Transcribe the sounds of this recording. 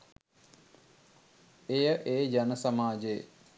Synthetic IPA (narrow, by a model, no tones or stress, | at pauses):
ejəʔeːd͡ʒanəsamaːd͡ʒej̰